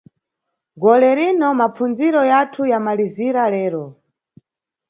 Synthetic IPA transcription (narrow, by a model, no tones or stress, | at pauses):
ɡɔlɛɾinɔmapund͡ziɾɔjatʰujamaliziɾalɛːɾɔ